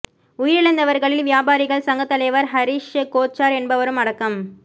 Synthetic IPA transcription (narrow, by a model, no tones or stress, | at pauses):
ʊjɪɾɪɭɐɪnd̪ɐʋɐɾɣɐɭɪlʋjaːbaːɾɪɣɐɭsɐŋɡɐt̪ːɐlɐjʋɐɾɦɐɾiʂkoːt͡ʃːaːɾɛnbɐʋɐɾɯmɐɽɐkːɐm